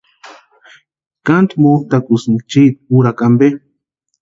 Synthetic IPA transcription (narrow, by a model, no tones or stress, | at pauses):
kant̪moht̪akusmt͡ʃit̪̚uɾakambe